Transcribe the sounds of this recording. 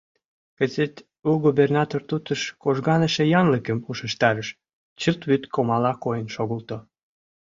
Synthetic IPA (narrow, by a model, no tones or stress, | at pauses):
kə̆zet̪ | uɣuβernɑt̪ort̪ut̪əʃkoʒɣɑnəʃĕjɑnləkə̆muʃə̆ʃt̪ɑɾəʃ | t͡ɕəlt̪βyt̪kʰomɑlɑkojənʃoɣəlt̪o